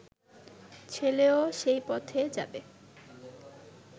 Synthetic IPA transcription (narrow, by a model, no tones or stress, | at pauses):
t͡ɕʰeleoʃejpɔt̪ʰed͡ʑa̰be